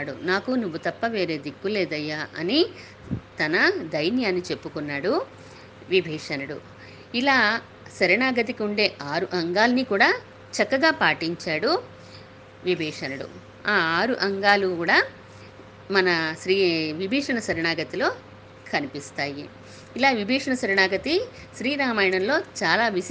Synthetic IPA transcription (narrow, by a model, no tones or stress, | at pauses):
ɽunaːkunuʋːut̪ɐpːɐʋe̞ːɾe̞ːd̪ikːuleːd̪ɐjːaːʔɐni | t̪ɐnɐd̪ɐjnjaːnːit͡ʃe̞pːukunːaːɽu | ʋibʱiːʂɐnɐɽṵ | ilaː | sɐɾɐɳaːɡɐt̪̬ikiuɳɖe̞ːʔaːɾuʔɐŋɡaːlɐnikuːɽaː | t͡ʃɐkːɐɡaːpaːʈiɲt͡ʃaːɽu | ʋibʱɛːʂɐnɐɽṵ | aːaːɾuʔɐŋɡaːlukuːɽaː | mɐnɐʃɾiːʋibʱɛːʂɐɳɐsɐɾɐɳaːɡɐt̪ilo̞ː | kʰɐnipist̪aːjiː | laːʋibʱɛːʂɐɳɐsɐɾɐɳaːɡɐt̪i | ʃɾiːɾaːmaːjɐɳɐmlo̞ːt͡ʃaːlaːʋi